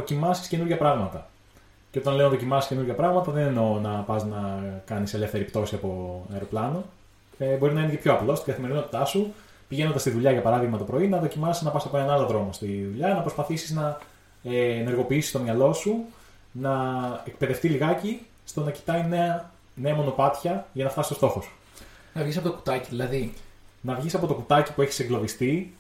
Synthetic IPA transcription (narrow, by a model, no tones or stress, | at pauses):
o̞cimɐsi̥sce̞nuɾʝɐpɾɐɣmɐt̪ɐ | ceo̞t̪ɐnleonɐðo̞cimɐsisce̞nuɾʝɐpɾɐɣmɐt̪ɐðeneno̞nɐpɐznɐkɐnise̞le̞fθeɾipt̪o̞siɐpo̞ɐ̰eɾo̞plɐno̞ | ebo̞ɾinɐinecepço̞ɐplo̞st̪iɡɐθime̞ɾino̞t̪i̥t̪ɐsu | piʝenod̪ɐst̪iðuʎɐʝɐpɐɾɐðiɣmɐt̪opɾo̞inɐðo̞cimɐsiznɐpɐsɐpo̞enɐnɐloðɾo̞mo̞st̪iðuʎɐnɐpɾo̞spɐθisi̥znɐː | ne̞ɾɣo̞piisi̥st̪o̞mɲɐlo̞su | nɐek̚pe̞ðe̞ft̪iliɣɐci | st̪o̞nɐci̥t̪ɐjineɐ | ne̞ɐmo̞no̞pɐt̪çɐʝɐnɐft̪ɐsist̪st̪o̞xosu̥ | nɐvʝisɐpo̞t̪oku̥t̪ɐciðilɐðinɐvʝisɐpo̞t̪o̞kut̪ɐci̥pueçi̥seklo̞ðist̪i